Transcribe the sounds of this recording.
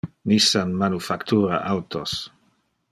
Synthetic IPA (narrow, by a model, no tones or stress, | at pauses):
nisanmanufakt̪ʰuːɾa̰ʔawt̪os